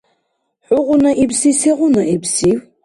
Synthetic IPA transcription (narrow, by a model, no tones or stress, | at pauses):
ħʊʁʊnaʔibsiseʁʷʊnaibsiw